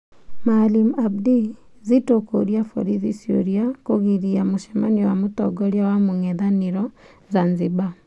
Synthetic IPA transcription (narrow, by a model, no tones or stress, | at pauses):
malimabdi | zitokoɾjafo̰ɾiðisjo̰ɾjakoɣiɾiamoʃɛmaniwamotɔɡɔɾjawamoŋɛðaneɾɔ | zanziba